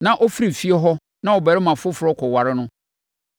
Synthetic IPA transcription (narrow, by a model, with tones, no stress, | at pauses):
nã˦˨ʔɔ˦fi˦ɾi˨fi˦ɛ˦ɦɔ˦ | nã˦ɔ˨bɛ˨ɾɪ˦mã˨fʊ˦fʊ˨ɾɔ˦kʰɔ˨wa˨ɾɪ˦nʊ̃˦